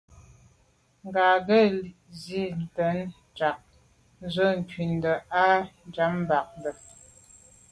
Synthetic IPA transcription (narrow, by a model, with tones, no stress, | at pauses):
ŋ˨ɡaː˨ɡə˦˨lzi˦˨n̩˨tɛ˨˦n | d͡ʒa˨k̚ | n̩˦zə˦ŋ̩˨ki˨n˨də˨ʔa˦n˨d͡ʒa˨˦mm˨ba˨k̚ndə˨